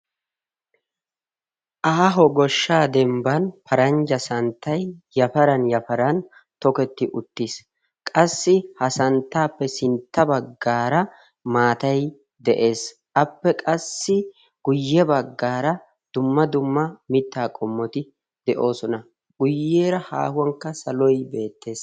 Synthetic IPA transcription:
ʔaːɦɔɡɔʃːaːd̪ɛmbɐnpɐɾɐnd͡ʒɐsɐnt̪ːɐjjɐfɐɾɐnjɐfɐɾɐn | t̪ɔkɛt̪ːɪʔʊt̪ːis | kʼɐsːɪhɐsɐnt̪ːaːpːɛsɪnt̪ːɐbɐɡːaːɾɐ | maːt̪ɐj | d̪ɛʔe̞ːs | ʔɐpːɛkʼɐsːɪ | ɡ̥ʊjːɛbɐɡːaːɾɐ | d̪̥ʊmːɐd̪ʊmːɐmɪt̪ːaːkʼɔmːɔt̪ɪ | d̪̥ɛʔo̞ːsɔnɐ | ɡʊjːeːɾɐha̰ːhʊwɐŋkːɐsɐlɔjbe̞ːt̪ːe̞ːs

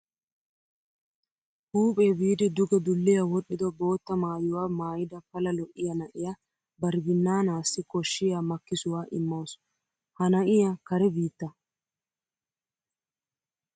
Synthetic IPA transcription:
huːpʼe̞ːbiːd̪ɪd̪ʊɡɛd̪ʊlːɪjɐwɔɗʼːɪd̪ɔbo̞ːt̪ːɐmaːjʊwaːmaːjɪd̪ɐpɐlɐlɔʔɪjɐnɐʔɪja | bɐɾbɪnːaːnaːsːɪkɔʃːɪjamɐkːɪsʊwaːʔɪ̰mːɐs | hɐnɐʔɪjakɐɾɛbiːt̪ːɐ

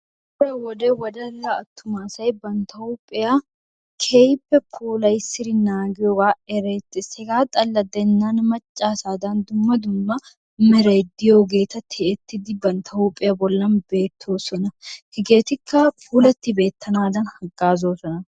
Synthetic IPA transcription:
bʊɾɛwɔd̪ewɐd̪ɐlːɐɐt̪ːʊmaːsɐjbɐnt̪ɐʊpʼːɪjɐ | kʰejpːɛpʰuːlɐjsɪɾɪnaːɡɪjɔɡaːɛɾeːt̪ːɪsɛɡaːt̪ʼɐlːɐd̪ɛnːaːnmɐt͡ʃʼːaːsaːd̪ɐnd̪ʊmːɐd̪ʊmːɐ | mɛɾejd̪ɪjoːɡe̞ːt̪ɐt̪ʰɪɛt̪ːɪd̪ɪbɐnt̪ʰɐʊpʼɪjɐbɔlːɐnbe̞ːt̪ʰːo̞ːsɔnɐhɪɡeːt̪ɪkʰːɐpʰuːlɐt̪ːɪbe̞ːt̪ʰːɐnaːd̪ɐnhɐɡːaːzo̞ːsɔnɐ

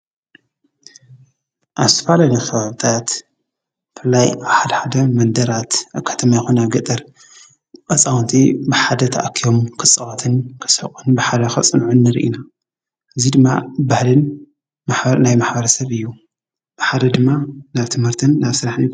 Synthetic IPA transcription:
ʔaβzt̪ʰɐ̥falalixɐβaβɨt̪ʰat̪ | fɨlːajaβħad̪ɐħad̪ɐmɐnd̪ɐɾat̪ʔakʰːḁt̪ʰɐmajxunaβɡɐt̪ʼɐɾ | kʼɐsʼawnt̪ʰibɨħad̪ɐt̪ʰa̰ʔakʰijo̞mkʰɨt͡sʼːɐwat̪ʰɨnkʰɨ̥sɐ̰kʼunbɨħad̪ɐxɐt͡sʼɨnʕunːɨɾʔḭna | ʔɨzid̪ɨmːabahlɨn | maħnajmaħbɐɾɐsɐβɨjːu | b̥ɨħad̪ɐd̪ɨmːanaβt̪ʰɨmhɨɾt̪ʰɨnːaβsɨɾaħni

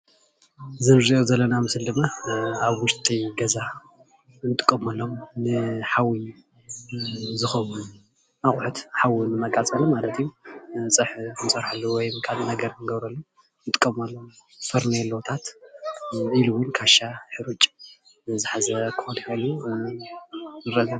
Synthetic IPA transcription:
zɨɾziʔozɐlːɐnamɨsɨld̪ɨmːaaβwʊʃt̪ʼiɡɐza | ɨnt̪ʼɨ̥kʼːɐmɐlːo̞mnɨħawi | zɨxɐwun | aχʼħut̪ħawɨnɨmɐkʼat͡sʼɐlɐmalɐt̪ʰijut͡sʼɨħnɨsʼɐɾħalːuwɔjmkʰaβzinɐɡɐɾnɨɡɐβɾɐlːu | nɨt̪ʼɨ̥kʼːɐmɐlːom | fɨɾnelot̪ʰat̪ | iluwʊnkʰaʃaħɨɾut͡ʃʼ | ɨzɨħazɐkʰont̪olu | nɨɾɐzɐ

